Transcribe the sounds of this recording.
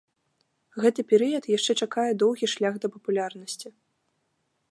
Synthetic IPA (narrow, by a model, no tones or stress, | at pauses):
ɣɛt̪ɨpʲɛɾɨjɐt̪jaʂt͡ʂɛt͡ʂakajɛd̪ɔwɣʲiʂlʲaɣd̪ɐpɐpulʲarnɐsʲt͡sʲi